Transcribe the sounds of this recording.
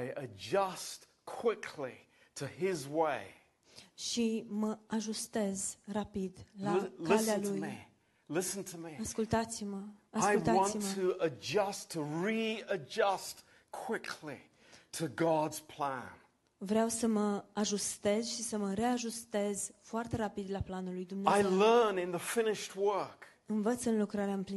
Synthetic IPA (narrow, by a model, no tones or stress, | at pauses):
ɪəd͡ʒʌst | kʰw̥ɪkʰli | tʰɨɪzweɪ | ʃiməaʒust̪e̞zrapid̪lalkɪlealuji | lɪsn̩tʰəmiaskult̪at̪siməaaɪult̪aɑ̃nsitmʰɨəd͡ʒʌstʰəɹiəd͡ʒʌst | kʰw̥ɪkʰlḭ | ɾʰɨɡɑdz̥pʰl̥æ̰̃n | vɾeawsəməaʒust̪e̞zʃisəməɾe̞aʒust̪e̞zfoart̪e̞ɾapid̪laplanulːujd̪umneaeɪllɜ̃˞nɨ̃nðəfɪ̃nɪʃt̚wɜ˞k | ɨnvət̪sɨnlukɾaɾeaɨmpli